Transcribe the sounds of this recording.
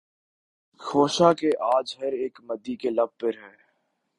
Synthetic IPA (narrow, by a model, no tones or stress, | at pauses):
xoːʃakeʔaːd͡ʒɦɐɾeːkmɐd̪ːikelɐb̚pɪɾɦɛː